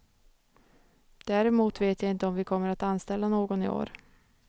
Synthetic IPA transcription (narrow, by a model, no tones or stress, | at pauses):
d̪̥æɾɛmuːt̪veːt̪jaɪnt̪əɔmvɪkʰɔmːəɾat̪anst̪ɛlːanoːɡɔnɪ̰o̰ːɾ